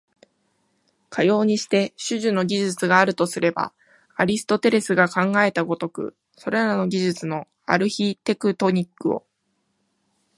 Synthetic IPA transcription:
kʰajo̞ːɲ̟iɕi̥t̪e̞ɕɨʑɨno̞ɡʲiʑɨt͡sɨɡaːɾɯ̟t̪o̞sɨɾe̞ba̰ | aɾʲisɨ̥t̪o̞t̪e̞ɾe̞sɨɡakãŋɡae̞t̪aɡo̞t̪o̞kɯ̟̰ | so̞ɾeɾano̞ɡʲiʑɨt͡sɨno̞ | a̰ɾɯ̟çit̪e̞kɯ̟t̪o̞ɲ̟ikːɯo̞̰

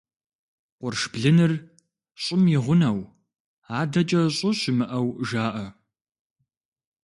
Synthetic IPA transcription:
qʷʊrʂb̥ɮɨnɨr | ɕʼɪmjɪʁʷʊnɐw | aːdɐt͡ʃʼɐɕʼʊɕɪmɨʔɐwʒaːʔɐ

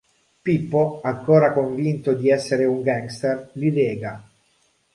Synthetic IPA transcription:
pipːoaŋkoːɾakoɱvint̪od̪iɛsːeɾeuŋɡaŋɡst̪erlid̪ɛːɡa

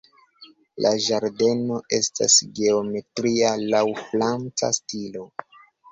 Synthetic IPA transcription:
lʔaʒaɾde̞no̞ʔe̞sta̰sɡe̞ome̞tɾialawflant͡sa̰stilo̞

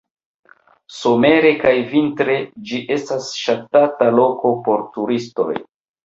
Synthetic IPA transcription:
so̞me̞ɾe̞kajvintɾe̞d͡ʒiʔe̞stasʃatatalo̞ko̞po̞ɾtuɾisto̞̰j

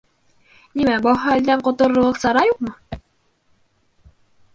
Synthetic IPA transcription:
nʲimæbɑɦɑæld̪æɴqŏt̪ŏɾŏlˠɤqsɑɾɑjuq̚mɤ

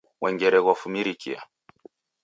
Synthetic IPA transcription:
wʔɛŋɡɛɾɛɣwafumiɾikḭa̰

